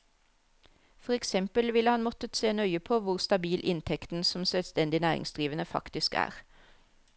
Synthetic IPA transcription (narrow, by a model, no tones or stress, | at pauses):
fɔʁɛksɛmpəlʋɪləhɑnmɔt̪ət̪seːnœʏəpʰoːʋʊʁst̪ɑbiːlʔɪnt̪ʰɛkt̪n̩sɔmsœlst̪ɛnd̪ɪnæːʁɪ̰ŋsd̪ʁiːʋənəfɑ̰kt̪ɪskæ̰ːʁ